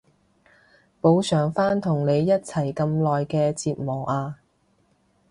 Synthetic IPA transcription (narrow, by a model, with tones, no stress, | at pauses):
po˨˧wsœː˨˩ŋfaː˥nt̪ʰʊ˨˩ŋne˨˧jːɐ˥t̚t͡sʰɐ˨˩jkɐ˧mlɔː˨jkɛː˧t͡siː˧t̚mɔː˨˩ʔaː˧